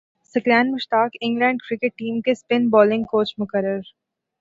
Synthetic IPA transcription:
sɪklɛːnmɪʃʈ̪aːkɪ̃ŋɡlɛ̃ːɳɖkɾɪkɪʈ̚ːiːmkespɪnbɔːlɪ̃ŋɡ̚koːt͡ʃmʊkəɾːəɾ

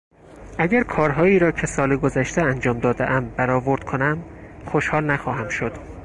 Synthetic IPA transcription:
ʔæɟæɾkʰɒːɾɦɒːiːɾɒːcʰe̞sɒːleɡozæʃt̪ʰeænd͡ʒɒːmd̪ɒːd̪ḛʔæmbæɾɒːvo̞ɾd̪̥kʰonæmxoʃhɒːlnæxɒːɦæmʃod̪̥

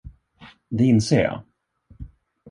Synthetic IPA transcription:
d̪ɛɪnseːɾjɑ̰ː

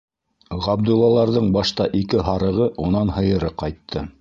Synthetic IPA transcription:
ʁɑb̚d̪ulˠːɑlˠɑɾðɤɴbɑʃt̪ɑʔikɘɦɑɾɤ̆ʁɤʔunɑnhɤ̆jɤ̆ɾɤqɑjt̪ʰːɤ

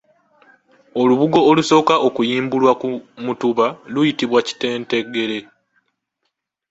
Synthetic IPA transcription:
o̞luβuɡo̞ːluso̞ːkaʔo̞kujiːmbulwakumutuβalujitiβwaci̥te̞ːnte̞ɡe̞le̞

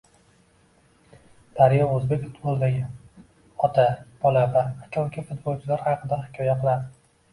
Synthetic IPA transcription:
d̪̥aɾɪjɒɵzbekʲʊt̪bɒlˠd̪aɡʲa | ɒt̪ʰab̥ɒlavaːt͡ʃʰɒlkʲʰafʊt̪̚bɒlˠt͡ʃʰɪlaɾhɑqɨd̪ahɪkʲʰɒjaqʰɨlˠad̪ɪ

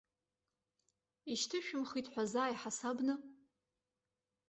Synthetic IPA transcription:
iʃtʰɨʃᶣʊmχitʰʼħʷazaːiħasabnɨ

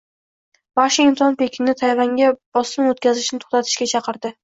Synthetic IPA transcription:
vaʃɪɪmt̪ʰɒnpekʲɪnnɪt̪ʰajvaŋɡʲab̥ɒsɪmot̪̚kʲʰazɪʃnɪt̪ʰo̥χt̪at̪ʰɪ̥ʃkʲat͡ʃʰɑqʰɨɾd̪ɪ

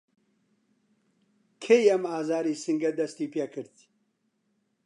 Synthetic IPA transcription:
kʰejɐmaːzaːɾiːsɨŋɡɐd̪ɐst̪iːpeːkʰɨɾd̪

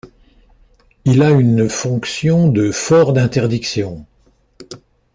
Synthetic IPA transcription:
ilaynfɔ̃ksjɔ̃d̪əfɔʁd̪ɛ̃t̪ɛʁd̪iksjɔ̃

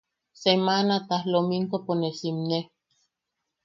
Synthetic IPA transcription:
semanat̪ahlomink̪oponesimne

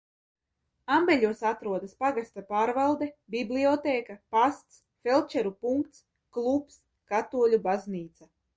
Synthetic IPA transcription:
ambɛlʲuːsat̪ɾuɔd̪aspaɡast̪apaːɾvalˠd̪ɛbibliɔt̪eːkapast̪s | fɛlˠt͡ʃɛɾupuŋkt̪s | klˠups | kat̪uɔlʲubazniːt̪sa

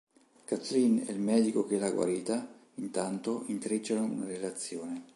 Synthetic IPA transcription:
kat̪linɛ̰ilmɛːd̪ikok̟elaɡwa̰ɾiːt̪a | int̪ant̪oiŋt̪ɾit͡ʃːanoṵnaɾelat̪sːjoːne

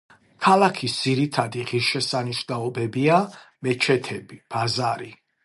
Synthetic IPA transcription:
kʰalakʰisd̪z̥iɾit̪ʰad̪iʁiɾʃɛsaniʃnaɔbɛbiamɛt͡ʃʰɛt̪ʰɛbib̥azaɾi

